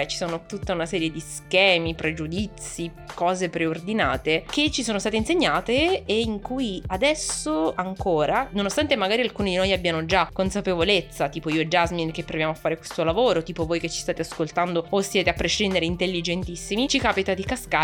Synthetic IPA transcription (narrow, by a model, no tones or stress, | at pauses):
t͡ʃi̥soːnot̪ut̪ːaunasɛːɾjed̪iskɛːmipɾed͡ʒud̪it̪si | kɔːzepɾeord̪ina̰ːt̪eket͡ʃːisoːnost̪aːt̪einseɲːaːt̪eːiŋkuːjiad̪ɛsoaŋkoːɾanonost̪ant̪emaɡaːɾialkuːnid̪inojabːjaːmod͡ʒakːonsapevolet̪sːat̪iːpoiod͡ʒazmink̟epːɾovjaːmoafːaːɾekwe̥st̪olavoːɾot̪iːpovoːjket͡ʃːist̪aːt̪easkolt̪and̪oosːjɛːt̪eapːɾeʃind̪eɾeint̪elːid͡ʒent̪isːimit͡ʃikaːpit̪ad̪ikaska